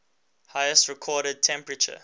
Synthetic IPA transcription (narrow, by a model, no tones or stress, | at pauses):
haɪəstɹɛkʰɔːɾəd̚tʰɛ̃mpɹət͡ʃə̰